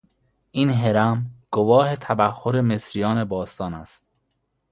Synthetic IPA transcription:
ʔiːnɦeɾæmɡ̥ovɒːhet̪ʰæbæhːoɾemesɾijɒːne̞bɒːst̪ɒːnæst̪

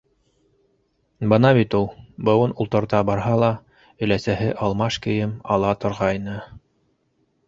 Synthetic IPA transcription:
bɤnɑβit̪ulˠbɤ̆wɤnulˠt̪ɤ̆ɾt̪ɑbɑɾɦɑlˠɑ | ɵ̆læsæɦɘʔɑlˠmɑʃkɘ̆jɘmɑ̰lˠɑt̪ŏɾʁɑjnɤ

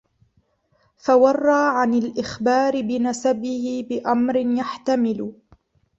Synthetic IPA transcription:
fawɑrˤːɑːʕanalʔɪxbaːɾɪbɪnasabɪhɪbɪʔamɾɪnjaħt̪amɪlʊ

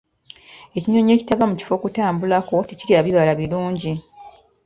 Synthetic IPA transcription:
e̞ciɲo̞ɲe̞ːci̥taɡamuci̥fo̞kutaːmbulako̞teciɾiaβiβalaβiluːɲɟi

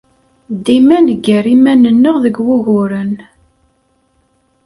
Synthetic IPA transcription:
d̪imænəɡəɾimænənːəʁðəɡwʊɣʊɾən

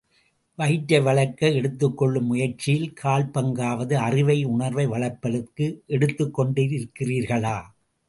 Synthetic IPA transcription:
ʋɐɪʈːɐʋɐɭɐkːɐɛɽɯt̪ːɯkːɔɭːɯmːʊjɐɾt͡ʃɪjɪlkʰaːlpɐŋɡaːʋɐðɯɐrɪʋɐɪʊɳɐɾʋɐɪʋɐɭɐpːɐlɯkːɯʔɛɽɯt̪ːɯkːɔɳɖiɾɪɾɯkːɪriːɾɣɐɭaː

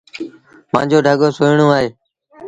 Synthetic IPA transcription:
pã̰ːd͡ʒoːɖʱəɠoːsoːjɪɳõːaːɦeː

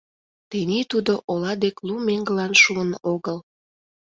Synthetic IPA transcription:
t̪enit̪ud̪oʔolɑd̪eklumeŋɡəlɑnʃuənoɣəl

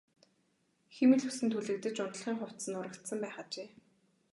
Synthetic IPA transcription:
xemɘ̆ɮɵsɘ̆nt̪ʰuɮɘ̆k̚t̪ɘ̆t͡ɕʊnt̪̆ɮχiːŋχʊw̥t̪sə̆nʊɾə̆kt̪sə̆mpæːχat͡ɕeː

